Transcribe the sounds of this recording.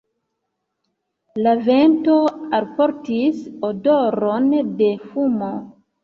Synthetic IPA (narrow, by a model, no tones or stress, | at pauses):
lave̞nto̞alpo̞ɾtisodoɾonde̞fumo̞